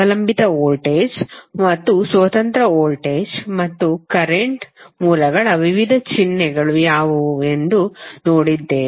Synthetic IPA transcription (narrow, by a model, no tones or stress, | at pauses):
ɐlɐmbʱit̪ɐoːlʈeːd͡ʒmɐt̪ːusʋɐt̪ɐnt̪ɾɐoːlʈeːd͡ʒmɐt̪ːukɐɾeɳʈmuːlɐɡɐɭɐʋiʋid̪ʱɐt͡ʃinːɛɡɐɭujaːʋue̞nd̪unoːɽid̪ːeː